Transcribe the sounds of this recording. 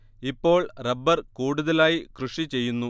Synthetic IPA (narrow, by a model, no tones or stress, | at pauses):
ipːo̞ːɭrɐbːɐrkuːɽuðɐlaːjikruʂit͡ɕe̞jːunːu